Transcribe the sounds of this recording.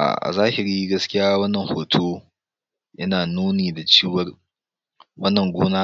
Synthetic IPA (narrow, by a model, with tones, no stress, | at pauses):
ʔa̰˨ʔa̰˨zaː˦hɪ˨ɾiː˦ɡɐ˦skʲɪ˦jaː˦wɐ˦nːɐ˨ŋhoː˨tʰoː˦ | jʔɐ˦naː˨nuː˦neː˨da˨t͡ʃiː˦wɐ˦r | wɐ˦nːɐ˨ŋɡʷoː˦naː˦